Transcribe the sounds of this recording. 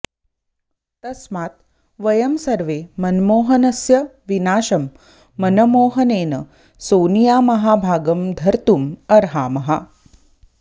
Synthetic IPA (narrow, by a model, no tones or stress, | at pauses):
t̪ɐsmaːt̪ | ʋɐjɐmsɐɾʋeːmɐnmoːɦɐnɐsjɐʋinaːʃɐmː | ɐnɐmoːɦɐneːnɐ̰ | soːnijaːmɐɦaːbʱaːɡɐmd̪ʱɐɾt̪umɐɾɦaːmɐɦa